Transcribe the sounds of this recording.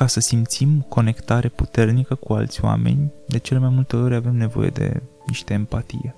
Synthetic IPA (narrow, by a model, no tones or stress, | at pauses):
kasəsimt̪simko̞ne̞kt̪aɾe̞put̪e̞rnikəkua̰lt̪sʲoa̰me̞̰nʲd̪e̞t͡ʃe̞le̞majmult̪e̞o̞ɾʲave̞mne̞vo̞̰je̞̰d̪e̞̰niʃt̪eempat̪ḭje